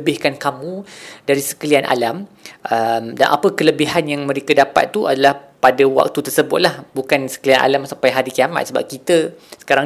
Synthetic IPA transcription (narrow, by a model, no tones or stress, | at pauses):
bɪhkankamũdaɾisə̥kəlianʔa̰lam | ʔəmda̰nʔa̰pəkələbiɦanjaŋmə̃ɾekədapa̰t̪ːuadalahpadawa̰k̚t̪ut̪ərsəbʊt̪̚lahbukansə̥kəlianʔa̰lamsampajɦaɾikiama̰t̪̚səba̰p̚kit̪əsə̥kaɾaŋ